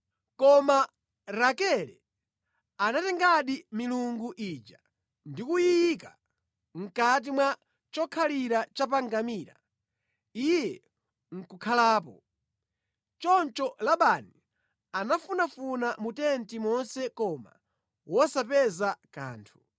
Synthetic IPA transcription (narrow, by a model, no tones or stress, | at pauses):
kɔma | ɾakɛlɛ | anatɛŋɡaɗimiluŋɡuʔiːd͡ʒa | ndikujika | ŋ̩kat̬imwa | t͡ʃɔkʰaliɾat͡ʃap̬aŋɡamiːɾa̰ | ijɛ | ŋ̩kukʰalaːp̬ɔ | t͡ʃɔnt͡ʃɔlaɓani | anafunafunamutɛntimɔnsɛkɔma̰ | wɔsapɛzaka̰ːntʰu̥